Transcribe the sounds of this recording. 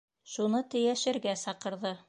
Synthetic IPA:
ʃunɤt̪ɘ̆jæʃɘ̆ɾɡæsɑqɤ̆ɾðɤ

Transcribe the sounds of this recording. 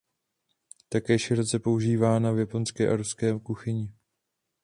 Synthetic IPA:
t̪akɛːʃɪɾot͡sɛpo̞uʒiːvaːnavjapo̞nskɛːʔaɾuskɛːkuxɪɲɪ

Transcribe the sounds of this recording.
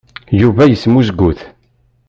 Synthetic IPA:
juvæjəsmusɡʷːuθ

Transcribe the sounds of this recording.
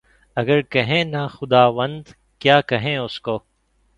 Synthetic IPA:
ɐɡəɾkɐɦẽːnaxʊd̪aːʋə̃nd̪ | kjaːkɐɦẽʊskoː

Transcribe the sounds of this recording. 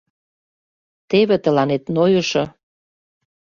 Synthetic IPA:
t̪eβet̪ə̆lɑnet̪nojə̆ʃɤ̆

